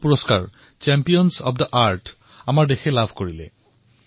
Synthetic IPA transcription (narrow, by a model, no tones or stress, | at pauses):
puɹɔskaɹ | t͡ʃɛmpiɔnsɔ̰pʰdəʔaɹt | amaɹdexɛlabʱkoɹilɛ̰